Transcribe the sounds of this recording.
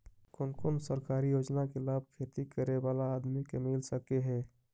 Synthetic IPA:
kʊnkonsəɾkaːɾijoːd͡ʒnakelaːb̚ʱkʰeːt̪ikəɾeʋaːlaːd̪mikemɪlsəkeɦɛ̃ː

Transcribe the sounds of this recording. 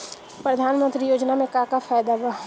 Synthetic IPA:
pɾəd̪ʱaːnmə̃nt̪ɾijoːd͡ʒnamẽkakafʰaːd̪abaː

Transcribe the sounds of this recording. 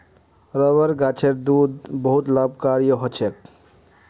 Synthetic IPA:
ɾəʋəɾɡat͡ʃʰeɾd̪ud̪bəɦut̪lab̚kaɾijəɦɔt͡ʃʰek̚

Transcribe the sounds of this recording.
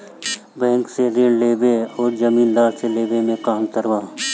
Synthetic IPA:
bɛ̃ːŋksed̪ɪnleːbeɔːɾd͡ʒəmiːnd̪aːseleːbemẽkaːmt̪əɾʋãː

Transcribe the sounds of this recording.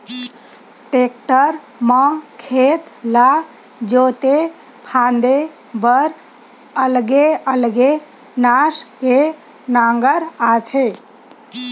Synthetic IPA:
ʈeːk̚ʈəɾ | mɔ̃kʰeːt̪la | d͡ʒoːt̪e | pʰãːnd̪e | bəɾ | əlɡeəlɡe | naːʃke | nãːŋɡəɾaːt̪ʰeː

